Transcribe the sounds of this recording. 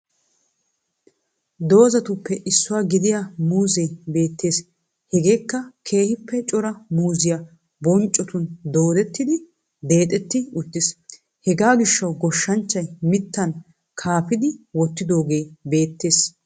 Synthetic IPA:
d̪o̞ːzɐt̪ʊpːɛʔɪsːʊwaːɡɪd̪ɪjamuːzɛjbe̞ːt̪ːe̞ːs | hɛɡe̞ːkːɐkʰe̞ːhɪpːɛt͡ʃʼɔɾɐmuːzɪja | bɔnt͡ʃʼɔt̪ʊnd̪o̞ːd̪ɛt̪ːɪd̪ɪ | d̪e̞ːt̪ʼɛt̪ːɪʊt̪ːɪs | hɛɡaːɡɪʃːɐwɡɔʃːɐnt͡ʃːɐjmɪt̪ːɐn | kʰaːfɪd̪ɪwɔt̪ːɪd̪o̞ːɡe̞jbe̞ːt̪ːe̞ːs

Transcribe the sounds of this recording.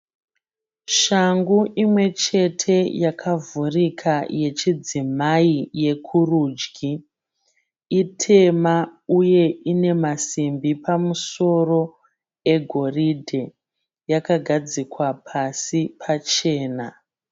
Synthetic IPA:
ʃaŋɡuʔimwe̞t͡ʃe̞tʰe̞jakʰavurikʰaje̞t͡ʃid͡zimaije̞kʰuruːd͡ʒɡʱi | itʰe̞mauje̞ine̞masimbipamuso̞ro̞ | e̞ɡʱo̞ridʱe | jakaɡʱad͡zikwapʰasipʰat͡ʃe̞ːna

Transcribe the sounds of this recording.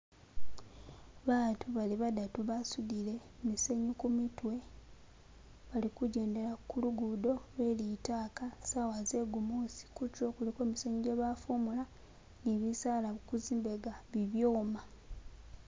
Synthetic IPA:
βaːtʰuβaliβadatuβasudile̞mise̞ɲukumitwe̞ | βalikuɟe̞ːnde̞lakuluɡudo̞lwe̞litaːkasawaze̞ɡumosi̥kuco̞ːkulikweːmiseɲuɟeβafumula | niβisaːlaβukuziːmbeɡaβiβjoːma

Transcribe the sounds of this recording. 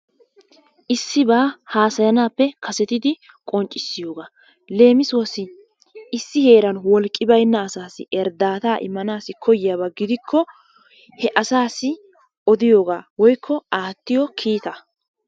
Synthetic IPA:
ʔɪsːɪbaːhaːsɐjɐnaːpːɛkʰɐsɛt̪ɪd̪ɪ | kʼɔnt͡ʃʼːɪsːɪjo̞ːɡaː | le̞ːmɪswɐsɪ | ɪsːɪhe̞ːɾɐnwɔlkʼːɪbɐjnːɐːsaːsɪ̰ʔɛɾd̪aːt̪aːʔɪ̰mːɐnaːsɪkʰɔjɪjaːbɐɡɪd̪ɪkʰːɔ | hɛʔɐsaːsɪ | ɔd̪ɪjo̞ːɡaːwɔjkʰːɔaːt̪ːɪjɔkʰiːt̪ɐ

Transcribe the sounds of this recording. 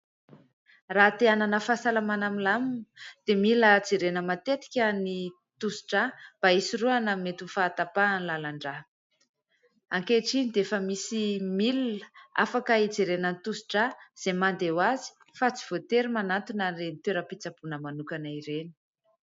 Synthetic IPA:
rat̪eananəfasalamanamilamund̪̥emiləd͡zeɾenəmat̪et̪i̥kʲəni | t̪usi̥ʈ͡ʂab̥aisiruanamet̪ufaːt̪apanlalaɳɖ͡ʐa | aŋkeʈ͡ʂinid̪efəmisimilua̰fakəid͡zeɾenənit̪usi̥ʈ͡ʂaz̥emand̪ewazi̥ | fat͡si̥v̥ot̪eɾimanant̪unarenit̪eɾəpit͡sab̥unəmanukanaiɾeni̥

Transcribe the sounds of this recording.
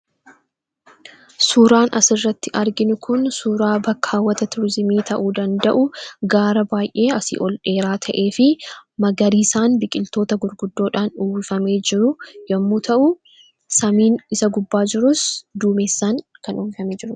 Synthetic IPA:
suːɾaːnɐsɪrːɐt̪ːɪʔɐɾɡɪnʊkʊnsuːɾaːbɐkʰːaːwːɐt̪ɐt̪ʊɾɪzɪmiːt̪ʰɐʔuːd̪ɐnd̪ɐʔʊɡaːɾɐbaːjʔe̞ːɐsḭːʔɔlᶑe̞ːɾaːt̪ʰɐʔe̞ːfɪmɐɡɐɾiːsaːnbɪkʼɪlt̪o̞ːt̪ɐɡʊɾɡʊd̪ːo̞ːᶑaːnuːwɪfɐme̞ːd͡ʒɪɾʊjɐmːuːt̪ʰɐʔʊ | sɐmiːnɪsɐɡʊbːaːd͡ʒɪɾʊsd̪uːmeːsːaːŋkɐnʔuːwɪfɐmeːd͡ʒɪɾʊ

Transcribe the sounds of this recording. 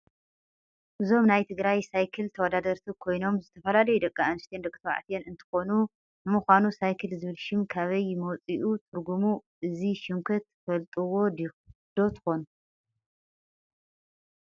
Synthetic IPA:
ʔɨzo̞mnajt̪ʰɨɡɾajsajkʰɨlt̪ʰɐwɔd̪ad̪ɐɾt̪ʰikʰo̞jno̞mzɨt̪ʰɐfɐlalɐjud̪ɐkʼːaanst̪ʰjend̪ɐkʼt̪ʰɐwa̰ʕt̪ʰjenɨnt̪ʰɨ̥xo̞nu | nɨmuxʷanusajkʰɨlzɨβɨlʃɪmkʰaβɐjmowt͡sʼiʔut̪ʰɨɾɡumuʔɨziʃɪŋkʰɐt̪fɐlt̪ʼɨwo̞d̪ | d̪̥o̞t̪ʰɨ̥xo̞nu

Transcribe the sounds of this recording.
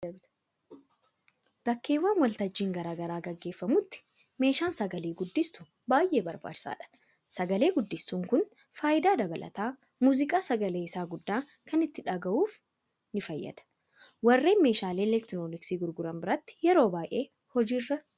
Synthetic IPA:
b̥ɐkːe̞ːwːaːnwɐlt̪ɐd͡ʒːiːŋɡɐɾaːɡɐɾaːɡɐɡːe̞ːfːɐmʊt̪ːɪ̥ | me̞ːʃaːnsɐɡɐleːɡʊd̪ːɪst̪ʊ | baːjʔe̞ːbɐɾba̰ːdsa̰ːᶑɐ̥ | sɐɡɐle̞ːɡʊd̪ːɪst̪uːŋkʊn | faːʔɪd̪aːd̪ɐbɐlʔɐ̰t̪aː | muːzɪkʼaːsɐɡɐle̞ːɪsaːɡʊd̪ːaː | kɐnɪt̪ːɪᶑɐɡɐʔuːf | nɪfɐjːɐ̰d̪̥ɐ̥ | wɐrːe̞ːnme̞ːʃaːleːlɛkt̪ɪnoːnɪksiːɡʊɾɡʊɾɐmbɪɾɐt̪ːɪ̥jɛɾo̞ːbaːjʔe̞ː | hɔd͡ʒiːrːɐ

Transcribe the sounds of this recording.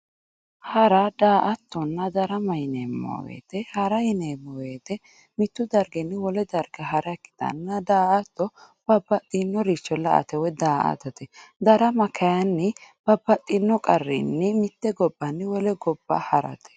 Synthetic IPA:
hɐɾɐd̪aːʔɐt̪ːɔnːɐd̪ɐɾɐmɐjɪneːmːɔ̰ːwḛːt̪ɛhɐɾɐjɪneːmɔwet̪ɛ | mɪt̪ːʊd̪ɐɾɡɛnːɪwɔlɛd̪ɐɾɡɐɦɐɾɐkːɪ̥t̪ɐ̰nːɐd̪aːʔɐt̪ːɔ | b̥ɐbːɐt̪ʼːinːɔɾit͡ʃːɔlɐʔɐ̰t̪ɛwɛd̪aːʔɐ̰t̪ɐt̪ɛd̪ɐɾɐmɐkʰɐjɐnːɪb̥ɐbːɐt̪ʼːɪnːɔkʼɐrːḭnːɪmɪt̪ːɛɡɔbːɐnːɪwɔlɛɡɔbːɐ̰hɐɾɐ̰t̪ʰɛ̥

